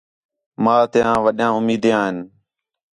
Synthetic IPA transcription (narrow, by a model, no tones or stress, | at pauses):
mãːt̪ɪjãːʋəɗjãːʊmiːd̪jãːɦɪn